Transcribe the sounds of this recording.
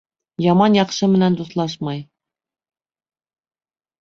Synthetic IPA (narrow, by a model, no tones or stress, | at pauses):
jɑmɑnjɑqʃɤmɘ̆nænd̪uslˠɑʃmɑj